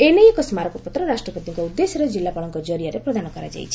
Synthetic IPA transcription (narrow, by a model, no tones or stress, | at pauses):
enejekɔsmaɾɔkɔpɔt̪ɾɔɾasʈɾɔpɔt̪iŋkɔud̪ːesɔɾɔd͡ʒilːapaɭɔŋkɔd͡ʒɔɾiaɾepɾɔd̪ʱanɔkɔɾad͡ʒa̰jt͡ʃʰi̥